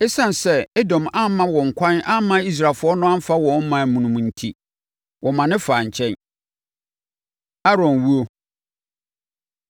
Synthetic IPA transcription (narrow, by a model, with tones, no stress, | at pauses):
ɛ˦sã˦n˨sɛ˦ɛ˦dɔ̃˨mã˦mã˦wɔ̃˨ŋ̩˨kʷʰã˦nã˦mã˦i˦s̬ɾa˨lfʊ˦ɔ˦nʊ̃˦ã˦m̩˦fa˦wɔ̃˨n˦mã˨mũ˨nũ˨m̃˨n̩˨tʰi˦ | wʔɔ˨mã˨nɪ̃˦faː˨ɲ̩˨t͡ɕʰɛ̃˦n | a˦ɾɔ̃˨nwu˦o˦